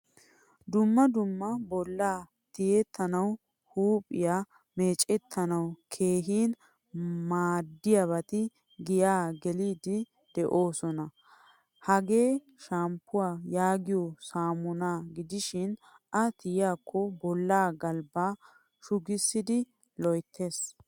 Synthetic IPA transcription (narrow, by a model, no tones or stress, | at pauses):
d̪ʊmːɐd̪ʊmːɐbɔlːaː | t̪ɪjɛt̪ʰːɐnɐw | huːpʼɪjaː | me̞ːt͡ʃʼɛt̪ʰːɐnɐwkʰe̞ːɦiːn | maːd̪ːɪjaβɐt̪ɪ | ɡɪjaːɡɛliːd̪ɪ | d̪̥ɛʔo̞ːsɔnɐ | hɐɡe̞ː | ʃampːʊwaːjaːɡɪjɔsaːmʊnaːɡɪd̪ɪʃɪn | ʔɐt̪ɪjjaːkʰːɔbɔlːaːɡɐlbaː | ʃʊɡɪsːɪd̪ɪ | lɔjt̪ʰːeːs